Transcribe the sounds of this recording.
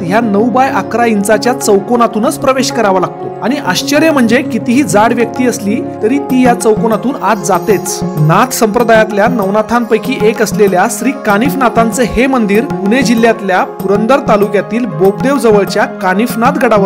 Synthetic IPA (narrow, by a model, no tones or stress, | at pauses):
ɦjanəwbajakɾaint͡sat͡ɕjat͡səwkonat̪uːnət͡spɾəʋeɕkəɾaʋalaɡ̚t̪oaɽ̃iʔaɕt͡ɕəɾjəm̤əɳd͡zekit̪iɦiːd͡zaɽʋjək̚t̪iːəsliːt̪əɾiːt̪iːjat͡səwkonat̪uːnat̪d͡zat̪et͡snat̪ʰsəmpɾəd̪ajat̪ljanəʋnat̪ʰampəjkiːʔekəsleljasɾiːkanifnat̪ant͡sehemənd̪iːɾpuned͡ʑilːjat̪ljapuɾənd̪əɾt̪alukjat̪iːlboɡd̪eʋd͡zəʋəɭt͡ɕjakanifnat̪ɡʱəɽaʋ